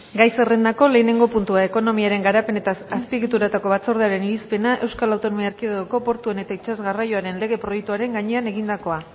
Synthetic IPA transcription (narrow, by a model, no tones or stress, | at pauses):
ɡajse̞re̞nd̪ako̞le̞ːne̞ŋɡo̞punt̪uae̞ko̞no̞miaɾe̞ŋɡaɾape̞ne̞t̪aːspiɣit̪uɾat̪ako̞βat͡so̞ɾðeaɾe̞niɾispe̞naʔe̞wskalawt̪o̞no̞miaɾkiðeðoko̞po̞ɾt̪ue̞ne̞t̪ait͡ʃazɣarajo̞aɾe̞nle̞ɣ̞e̞pɾo̞jek̚t̪uaɾe̞ŋɡaɲe̞ane̞ɣind̪ako̞a